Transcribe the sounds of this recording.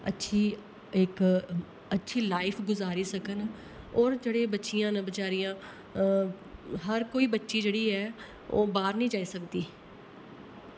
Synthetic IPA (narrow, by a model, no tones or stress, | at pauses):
ə̰tːʃʰiː | ɪk | ətːʃʰiːlaːɪpʰɡʊzaːɾiːsəkən | ɔːɾd͡ʒeːɽeːbətːʃijãːnəbət͡ʃaːɾijãː | ɦəɾkoːiːbətːʃiːd͡ʒeːɽiːɦɛː | o̰ːbaːɾnĩːd͡ʒaːiːsəkd̪iː